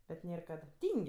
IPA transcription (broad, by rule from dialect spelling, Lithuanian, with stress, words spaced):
bʲɛt ˈnʲeːr ˈkɐt ˈtʲiːŋʲkʲ